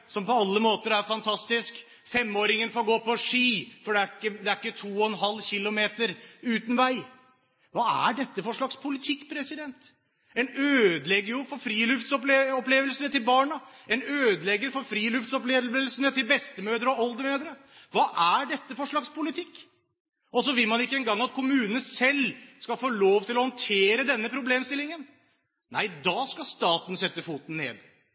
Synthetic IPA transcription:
sɔmpɔɑlːəmoːt̪əɾæɾfɑnt̪ʰɑst̪ɪsk | fɛmːoːɾɪŋənfoːɾɡoːpɔʂiːfɔɖɛækːəd̪ɛæɾɪkːət̪ʰuːɔɛnɦɑlːçɪlːʊmeːt̪əɾʉːt̪n̩ʋæɪ | ʋɑːæ̰ɖɛt̪ːəfɔʂɭɑkspʰʊlɪt̪ʰɪkːpʰɾɛsɪd̪ɛnt̪ | ɛnøːd̪əlɛɡːəjʊfɔɾfɾiːlʉft̪sɔpleɔpleːʋəlsənət̪ɪlbɑːɳəɛnøːd̪əlɛɡːəɾfɔɾfɾiːlʉft̪sɔpleːʋlsənət̪ɪlbɛst̪əmøːd̪ɾəɔɔld̪əmøːd̪ɾə | ʋɑːʔæɖɛt̪ːəfɔʂɭɑkspʰʊlɪt̪ʰɪkː | ɔsɔʋɪlmɑnɪkːəɛnɡɑŋːɑt̪kʰʊmʉːnənəsɛlskɑfoːloːʋt̪ɪlɔhɔnt̪ʰeːɾəd̪ɛnːəpʰɾʊbleːmst̪ɪlɪŋən | næ̰ɪd̪ɑːskɑst̪ɑːt̪n̩sɛt̪ːəfuːt̪n̩nːḛːd̪

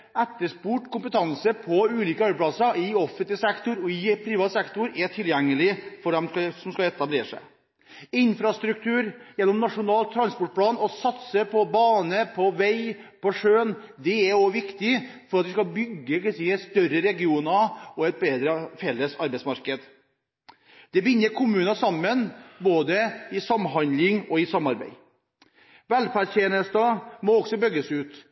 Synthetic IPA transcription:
æt̪ːəʂpuʈkʊmpət̪ʰɑŋsəpʰɔʉːliːkəɑɾbəplɑsəɪɔfənt̪ɪsɛkt̪ʊɾɔɪpʰɾiːʋɑt̪sɛkt̪ʊɾɛʈ̪ʰɪljɛŋːəlɪfɔɖ̪ɛmsɔmskɑɛt̪ɑbleːʂæ̰ɪ | ɪnfɾɑst̪ɾʉk̚t̪ʰʉːɾjɛnːɔmnɑʂʊnɑːlt̪ʰːɾɑnspɔʈ̚pʰlɑːnɔsɑt̪səpʰɔbɑːnəpʰɔʋæɪpʰɔʂøːnd̪ɛæɾɔʋɪkt̪ɪ | fɔɾɑt̪ʋɪskɑbʏɡːək̪ːsiːst̪œɾəɾɛɡɪuːnɑɔɛt̪̚beːd̪ɾəfɛlːəsɑɾbɛɪsmɑɾkəd̪ | d̪̥ɛbɪnːəɾkʰʊmʉːnɑsɑmːənboːd̪əɪsɑmːɦɑnd̪lɪŋɔɪsɑmːɑɾbæ̰ɪ | ʋælfæɾteːnəst̪ɑmɔɔɡsɔbœɡːəsʉːt̪

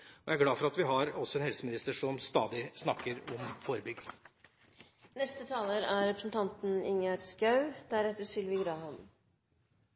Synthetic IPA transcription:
ɔjæɾɡlɑːfɔɾɑt̪ʋɪɦɑɾɔsːɔɛnhɛlsəmɪnɪst̪əʂɔmst̪ɑ̰ːd̪ɪsnɑkːəɾɔmfɔɾəbʏɡd̪ | nɛst̪ət̪ʰɑːləɾæɾɾɛpɾəsnt̪ʰɑnt̪n̩ɪ̰ŋɑɾskɑʉd̪̥æɾɛt̪ːəʂɪlʋɪɡɾɑːɦɑn

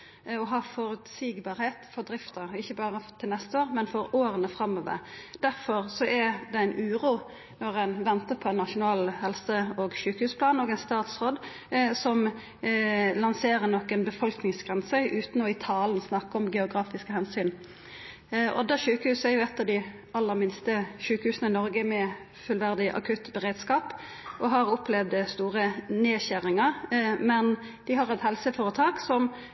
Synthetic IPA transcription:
ɔɦɑːfɔɾʉt̪siːɡbɑːɾheːt̪fɔɾd̪ɾɪft̪əɾɪçːəbɑːɾət̪ʰɪlnɛst̪əoːʁmɛnfɔɾoːɾənəfɾɑmːoːʋə̰ɾd̪̥æɾfɔɾsɔʔæd̪ɛæɪnʔʉːɾuː | nɔʁɛɪnʋɛnt̪əpʰɔɛnnɑʂʊnɑːlhɛlsəɔɡʃʉːkəhʉːspʰlɑːnoːɡɛɪnst̪ɑːt̪sʁoːd̪ | sɔm | lɑnseːʁənɔkːɛnbəfɔlknɪŋsɡ̥ʁɛnsœʔʉːt̪noːɪt̪ʰɑːln̩snɑkːɔmɡɛʊɡʁɑːfɪskəhɛnsyːn | ʔɔd̪æʃʉːkəhʉːsəæʁjʊɛt̪ːɑʋd̪ɪ | ɑlːəʁmɪnst̪əʃʉːkəhʉːsnəɪnɔʁɡəmɛ | fʉlʋæʁd̪ɪʔɑ̰kʰʉt̪ːbəʁeːd̪skɑːp | ʔɔɦɑʁʊplɛʋd̪st̪uːʁəneːçæʁɪŋəʁmɛn | d̪ɪɦɑʁɛt̪hɛlsəfɔːʁət̪ʰɑːksɔm

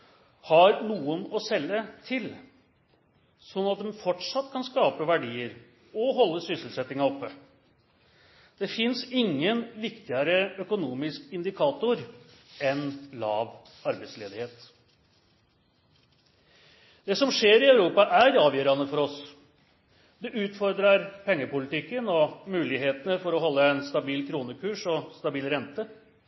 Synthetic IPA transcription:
hɑɾnuːənɔsɛlːət̪ʰɪl | sɔnːɑt̪̚d̪ɛmfɔʈʂɑt̪ːkʰɑnskɑːpəʋæɖiːəɾ | ɔɦɔlːəsʏsəlsɛt̪ːɪŋɑɔpːə | d̪̥ɛfɪnsɪŋːənʋɪkt̪ɪəɾəœkʊnuːmɪskɪnd̪ɪkʰɑːt̪ʊɾɛnlɑːʋ | ɑɾbæɪsleːd̪ɪheːt̪ | d̪ɛsɔmʂeːɾɪœʉɾuːpɑʔæɾɑːʋjœːɾɑnəfɔɾɔs | d̪ɛʔʉːt̪fɔɾd̪ɾɑɾpʰɛŋːəpʊlɪt̪ɪkːənɔmʉːlɪɦeːt̪ənəfɔɾɔɦɔlːəɛnst̪ɑbiːlkʰɾuːnəkʰʉːʂɔst̪ɑbiːlɾɛnt̪ə

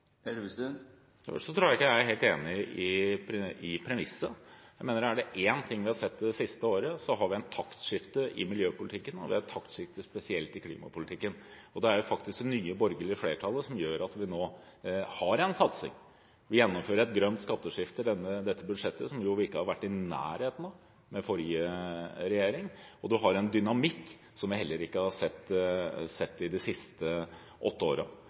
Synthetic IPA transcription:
ʂɔt̪ʰɾuːæɪkːjææɾheːlt̪ḛːnɪʔɪ | ɪpʰɾɛmɪsːəjæɪmeːnəɾæɖɛʔeːnt̪ʰɪŋːʋɪhɑsɛt̪ːɛsɪst̪əoːɾəsɔɦɑɾʋɪɛnt̪ʰɑkt̪ʂɪft̪əʔɪ̰mɪljøːpʊlɪt̪ʰɪkːənɔ̰ʋɪ̰æt̪ʰɑkt̪ʂɪft̪əspɛsɪɛlt̪ɪkʰlḭːmɑ̰pʊlɪt̪ʰɪkːən | ɔd̪ɛæɾjʊfɑkt̪ɪsknyːəbɔɾɡəlɪfleːʈʰɑlˠːəsɔmjøːɾɑt̪ʋɪnoː | hɑɾɛnsɑt̪sɪ̰ŋ | ʋɪjɛnːɔmføːɾəɾɛt̪ɡɾœnt̪skɑt̪ːəʂɪft̪əɖ̪ɛnːəd̪ɛt̪ːəbʉd̪ʂɛt̪ːəsɔmjʊʋɪɪkːəhɑɾʋæʈːɪnæ̰ːɾheːt̪n̩ | mɛfɔɾjəɾɛjeːɾɪŋɔd̪ʉɦɑɾɛnd̪ʏnɑmɪkː | sɔmʋɪhɛlːəɾɪkːəhɑsɛt̪ːsɛt̪ːɪd̪ɪsɪst̪ə | ʔɔt̪ːəo̰ːɾə̰

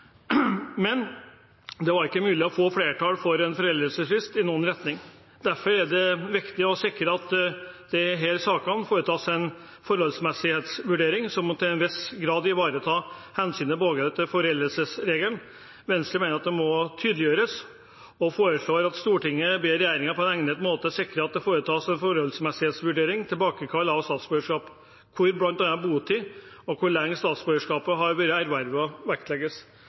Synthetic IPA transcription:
mɛn | d̪ɛʋɑɾɪkːəmʉːlɪɔfoːfleːʈʰɑːlfɔɾɛnfɔɾɛlɾəlsəsʋɪst̪ɪnuːənɾɛt̪nɪŋ | d̪æɾfɔɾæɖɛʋɪkt̪ɪɔsɪkːəɾɑt̪d̪̥ɛɦeːlsɑːkɑnfoːɾət̪ʰɑːsɛn | fɔɾhɔlsmɛsɪheːt̪sʋʉɖeːɾɪŋsɔmt̪ʰɪlɛnʋɪsɡɾɑːd̪ɪʋɑːɾət̪ʰɑːhɛnsyːnəpɔoːɡət̪ʰɪfɔɾɛləlsəsɾeːɡln | ʋɛnst̪əmeːnəɾɑt̪̚d̪ɛmɔt̪ʰyːd̪lɪjøːɾəs | ɔfoːɾəʂɭoːɾɑt̪st̪uːʈɪŋːəbeːɾɛjæːɾɪŋəpʰɔɛnɛŋnət̪moːt̪əsɪkɾəɑt̪̚d̪ɛfoːɾət̪ʰɑːsɛnfɔɾɔlsmɛsɪheːt̪sʋʉɖeːɾɪŋt̪ʰɪlbɑːkəkʰɑlːɑʋst̪ɑːt̪sb̥øːəʂkɑːp | kʰʊɾblɑnt̪d̪ɛnːɑbuːt̪ʰɪ | ɔkʰʊɭɛŋːəst̪ɑːt̪sbøːɡəʂkɑːpəɦɑɾʋøɾəæɾʋæɾʋəɔʋæk̚t̪lɛɡəs

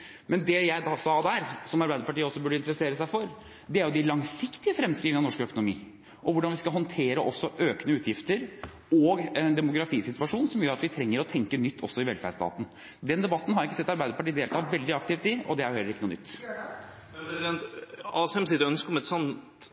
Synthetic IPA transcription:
mɛnd̪ɛjæɪd̪ɑsɑːd̪æːɾsɔmɑɾbæɪd̪əɾpɑʈiːəɔsːɔbʉɖəɪnt̪əɾəseːɾəsæɪfɔɾ | d̪ɛæɾjʊd̪ɪlɑŋsɪkt̪ɪəfɾɛmːskɾiːʋɪnɑnɔʂkœkʊnʊmḭː | ʔɔʋʊɖɑnʋɪskɑɦɔnt̪ʰeːɾəʔɔsːɔʔøːknəʉːt̪ʰjɪft̪əɾ | ɔɡɛnd̪ɛmʊɡɾɑfiːsɪt̪ʋɑʂuːnsɔmjøːɾɑt̪ʋɪt̪ʰɾɛŋːəɾɔt̪ʰɛŋkənʏt̪ʰːɔ̰sːɔɪʋɛlfæ̰ɖst̪ɑ̰ːt̪n̩ | d̪ɛnd̪ɛbɑt̪ːn̩ɦɑɾɪkːəsɛt̪ːɑɾbæɪd̪əpɑʈiːd̪eːlt̪ʰɑːʋɛld̪ɪɑk̚t̪ɪft̪ɪɔ̰d̪ɛæɾʊhɛləɾɪkːənʊːnʏ̰t̪ː | pɾɛsɪd̪ɛnt̪ɑːsɛmsɪt̪ːœnskɔmɛt̪sɔnt̪

